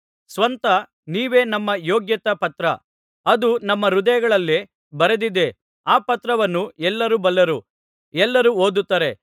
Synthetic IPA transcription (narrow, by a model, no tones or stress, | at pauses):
sʋɐnt̪ɐ | niːʋe̞ːnɐmːɐjoːɡjɐt̪ɐpɐt̪ɾɐ̰ | ɐd̪unɐmːɐɾud̪ɐjɐɡɐɭɐlːe | bɐɾed̪id̪e̞ | aːpɐt̪ɾɐʋɐnːuɛlːɐɾubɐlːɐɾu | ɛlːɐɾuo̞ːd̪ut̪ːɐːɾe̞